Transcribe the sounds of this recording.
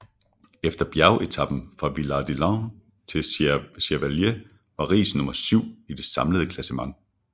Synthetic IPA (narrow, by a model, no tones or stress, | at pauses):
efd̥ɐb̥jæɐʊʔe̝t͡sʰɑb̥n̩fʁɑ̈ʋilɑ̈d̥ilɑ̃ | t͡sʰe̝ɕeʋælje | ʋɑ̈ʁḭːsnɔ̽mɐsyʊ̰id̥e̝sɑ̈mləð̞ˠəkʰlæsəmɑ̈ŋ̰